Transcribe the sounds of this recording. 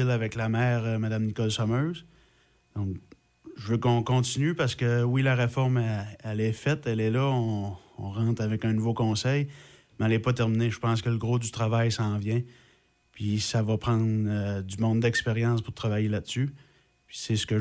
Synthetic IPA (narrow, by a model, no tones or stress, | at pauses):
ɪlavɛklamɛːʁəmad̪amnikɔlsɔmøːz | d̪̥ɔ̃k | ʒəvøkɔ̃kɔ̃t̪inypaʁsə̥kəwilaʁefɔʁmɛɛlɛfɛt̪ɛlɛlʌɔ̃ɔ̃ʁɑ̃ːt̪avɛkɛ̃nuvokɔ̃ːsɛj | mɛɛlɛpɔt̪ɛʁmineʒəpɑ̃skələɡʁod̪yt̪ʁavajsɑ̃ːvjɛ̃ | pʰɥisavʌpʁɑ̃ːd̪ødd͡zymɔ̃d̪d̪ɛkspeʁjɑ̃ːspʊʁt̪ʁavajelad̪sy | pɥi̥sɛsə̥kə